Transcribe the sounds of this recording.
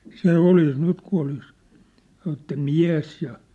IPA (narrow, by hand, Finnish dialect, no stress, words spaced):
se olis nyt ku olis sɑn̆ etːæ miæ̝s jɑ